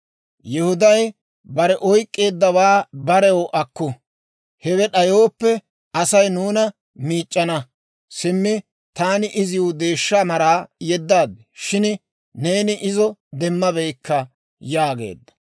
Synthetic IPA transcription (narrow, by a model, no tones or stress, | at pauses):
jɛhʊd̪ɐj | bɐɾɛʔɔjkʼːe̞ːd̪ːɐwaːbɐɾɛwɔʔɐkːʊ | hɛwɛɗɐjo̞ːpːɛ | ɐsɐjnuːnɐ | miːt͡ʃʼːɐnɐ | sɪmːɪ | t̪aːnɪʔɪzɪʊd̪e̞ːʃːamɐɾaːjɛd̪ːaːd̪ɛʃɪn | ne̞ːnɪʔɪzɔd̪ɛmːɐbɛjkːɐ | jaːɡḛːd̪ːɐ̥